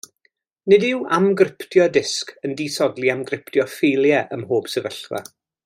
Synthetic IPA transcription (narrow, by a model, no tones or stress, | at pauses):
nɪdɪwʔamɡrɪpʰtʰjɔdɪskʰəndisɔdlˠiamɡrɪpʰtʰjɔfelˠjɛʔəmhoːb̥sɛvəɬva̰